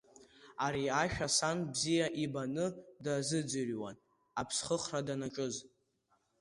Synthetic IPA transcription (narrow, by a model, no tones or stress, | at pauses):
aɾiaʃᶣasanbzijaʔibanɨdazɨd͡zɨrʲwa̰n | apʰsχəχradanaʈ͡ʂʼɨz